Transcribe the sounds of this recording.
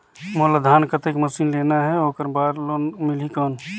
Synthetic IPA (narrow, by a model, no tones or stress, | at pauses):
moləd̪ʱaːnkət̪ekməsiːnleːnaɦɛoːkəɾbaːɾlonmɪlikɔːn